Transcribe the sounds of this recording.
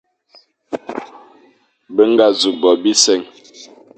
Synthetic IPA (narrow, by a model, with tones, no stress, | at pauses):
bə˦ŋ̩˦ɡa˨zu˨bɔ˨bi˦sɛ˦˨ŋ